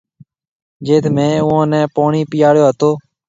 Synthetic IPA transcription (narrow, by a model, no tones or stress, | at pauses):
d͡ʒeːt̪ʰmẽːʊãːnɛ̃ːpoːɳiːpɪjaːɽjoːɦət̪oː